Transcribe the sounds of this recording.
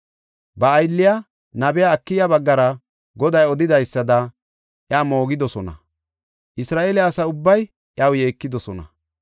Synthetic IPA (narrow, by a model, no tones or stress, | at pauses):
bɐːjlːɪjɐ | nɐbɛjaːkːɪjɐbɐɡːɐɾɐ | ɡɔd̪ɐjɔd̪ɪd̪ɐjsːɐd̪ɐ | ʔjaːmo̞ːɡɪd̪ɔsɔnɐ̰ | ʔɪsɾaːʔeːlɪɐsɐʊbːɐj | ʔjɐwje̞ːkːɪd̪ɔsɔnɐ̰